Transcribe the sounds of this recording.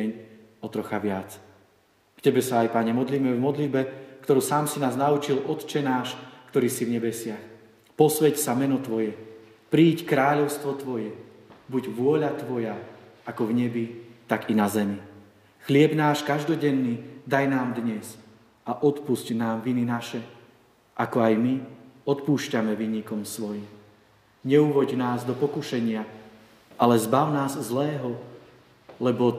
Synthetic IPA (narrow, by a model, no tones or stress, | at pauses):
ɛɲ | ɔt̪ɾɔxaʋɪat͡s | kcɛbɛsaːjpaɲɛmɔd̪liːmɛvmɔd̪lid̪̚bɛkt̪ɔɾuːsaːmsinaːznaut͡ʃilʔɔt̪t͡ʃɛnaːʃkt̪ɔɾiːsivɲɛbɛsɪax | pɔsʋɛcsamɛnɔt̪ʋɔjɛ | pɾiːckɾaːʎɔʊst̪ʋɔt̪ʋɔjɛ | buɟʋʊɔʎat̪ʋɔjaakɔvɲɛbit̪aɡinazɛmi | xlɪɛbnaːʃkaʒd̪ɔɟɛnːiːd̪ajnaːmd̪ɲɛz | aʔɔt̪pusɟnaːmʋininaʃɛ | ʔakɔajmiɔt̪puːʃcamɛʋiːɲikɔmsʋɔjim | ɲɛuʋɔɟnaːzd̪ɔpɔkuʃɛɲɪa | ʔalɛzbaʊnaːzzlɛːɦɔ | lɛbɔ